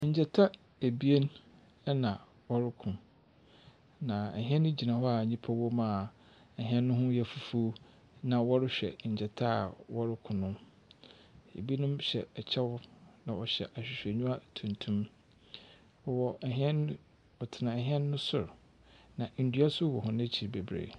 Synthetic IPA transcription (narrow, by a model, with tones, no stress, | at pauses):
ɲ̩˨d͡ʑɛ˨tʰa˦ | e˨bi˦e˦n | ɛ˦nã˨ | wɔ˦ɾɪ˦kʰʊ̃˨ | nã˨ɛ̰˨ɦɪ̃˦ɛ̃˦nʊ̃˦d͡ʑi˨nã˨hɔ˦a˨ɲĩ˦pʰa˦wo˦mã˨ | ɛ˨ɦɪ̃˦ɛ̃˦nːʊ̃˦ɦʊ̃˦jɛ˨fu˨fu˦ | nã˨wɔ˦ɾɪ˦ɕᶣɛ̰˨ɲ̩˨d͡ʑɛ˨tʰa˦˨wɔ˦ɾɪ˦kʰʊ̃˨nʊ̃˦ | ḛ˨bi˦nʊ̃˦mɕɛ˨ɛ˨t͡ɕʰɛ˦wnã˨ɔ˨ɕɛ̰˨ʔa˨ɕᶣɪ˨ɕᶣɛ˨ɲũ˦a˦tʰũ˨ntʰũ˦m | ɔ˨wɔ˨ɛ˨ɦɪ̃˦ɛ̃˦n˦ | ɔ˨tʰɪ˨nã˨ɛ˨ɦɪ̃˦ɛ̃˦nː˦ʊ̃˦sʊ˨ɾ | nã˨n̩˨dɥa˦sʊ˦wɔ˨ɦʊ̃˨nã˦t͡ɕʰi˨ɾbe˨bɾḛ˨